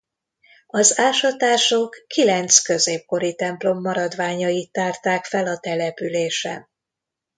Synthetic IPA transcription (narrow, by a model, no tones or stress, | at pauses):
ɒzaːʃɒt̪aːʃokːilɛnt̪skø̞zeːp̚ko̞ɾit̪ɛmplo̞mːɒɾɒd̪ʋaːɲɒjit̪ːaːrt̪aːkfɛlɒt̪ɛlɛpyleːʃɛ̰